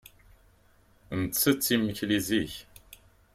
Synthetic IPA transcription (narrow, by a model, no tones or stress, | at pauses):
nət͡sːət͡sːimːəçliziç